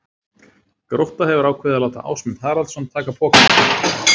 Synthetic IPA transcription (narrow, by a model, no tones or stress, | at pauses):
kɾowht̪ahɛvʏɾaːwkʰvɛːðalaːwt̪a̰ʔa̰ːwsmɛnθaːɾalsamnt̪ʰːaːkapʰɔːca